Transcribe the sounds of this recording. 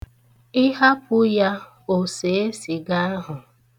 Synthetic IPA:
ɪ˦ɦa˦pʊ˦ja˦ | o˨se˨e˦si˨ɡa˦a˦ɦʊ˨

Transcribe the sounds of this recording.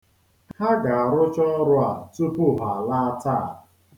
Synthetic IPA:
ha˦ɡa˨a˨ɾʊ˦t͡ʃɔ˦ɾʊ˦a˨t͡su˦pʊ˦ɦa˨la˦ta˦˨

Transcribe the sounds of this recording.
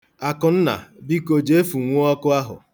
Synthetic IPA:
a˨kʊ˨n̩˦na̰˨bi˦ko˨d͡ʒe˨˦e˦fu˨ŋʷo˦ɔ˦kʊ˦a˦ɦʊ̰˨

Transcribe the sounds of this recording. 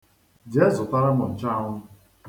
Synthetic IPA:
d͡ʒe˨˦zʊ˨ta˦ɾa˦mɔ˨n̩˨t͡ʃa˦˨ʊ˦m̩˦

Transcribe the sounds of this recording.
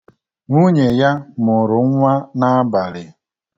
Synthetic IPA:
ŋu˦ɲe˨ja˦mʊ˨ɾʊ˨ŋ̩ʷ˦a˦na˦a˦ba˨lɪ˨

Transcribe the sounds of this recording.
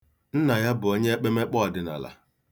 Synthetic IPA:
n̩˦na˨ja˦bʊ˨o˦ɲe˦e˦k͡pe˦me˦k͡pɔ˦ɔ˨dɪ˨na̰˨la̰˨

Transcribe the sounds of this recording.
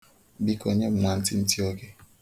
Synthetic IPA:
bi˦ko˨ɲɛ˦˨m˨na˨nti˦n̩˦tjo˦kɪ˦

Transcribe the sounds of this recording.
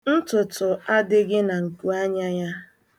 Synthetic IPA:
n̩˦tʊ˨tʊ˨a˦dɪ˦ɡɪ˦na˨ŋ̩˨ku˨a˦ɲa˦ɲa˦

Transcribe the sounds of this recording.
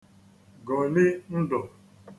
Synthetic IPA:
ɡɔ˨lɪ˦n̩˦dɔ˨

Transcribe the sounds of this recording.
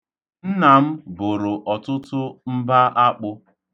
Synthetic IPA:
n̩˦na˨m̩˦bʊ˨ɾʊ˨ʔɔ˨tʊ˦tʊ˦m̩˦ba˦ʔa˦k͡pʊ˦

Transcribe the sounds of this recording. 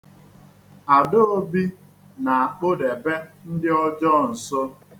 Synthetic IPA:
a˨dʊ˦o˦bi˦ | na˨a˨k͡po˦de˨be˦n̩˦dɪ˦ɔ˦d͡ʒɔ˦˨n̩˨so˦

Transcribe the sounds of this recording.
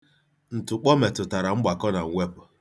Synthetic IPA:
n̩˨tʊ˨k͡pɔ˦me˨tʊ˨ta˨ɾa˨ŋ͡m̩˦ɡ͡ba˨kɔ˦na˨ŋ̩˨ŋʷe˦pʊ˨

